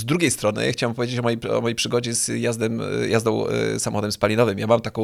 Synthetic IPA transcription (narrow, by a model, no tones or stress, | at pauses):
zd̪ɾuɡʲejst̪ɾɔnɘ̰ja̰xt͡ɕawɛmp̬ɔvʲed͡ʑet͡ɕɔmɔjḛmɔjejpʂɘɡɔd͡ʑɛz̥jazd̪ɛmjazd̪ɔ̃w̃samɔ̰xɔd̪ɛmspalʲinɔvɘmjamamt̪akɔ̃w̃